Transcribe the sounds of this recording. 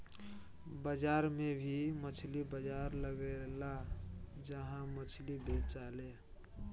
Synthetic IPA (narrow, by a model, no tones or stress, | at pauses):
bəd͡ʒaɾmebʱimət͡ʃʰlibəd͡ʒaɾləɡɛlad͡ʒəɦãmət͡ʃʰlibet͡ʃale